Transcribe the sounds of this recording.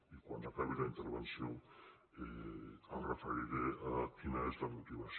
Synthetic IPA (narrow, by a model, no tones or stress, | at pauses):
ikwanakaβilaint̪əɾβensjo | earafəɾiɾeakinaezlamut̪iβas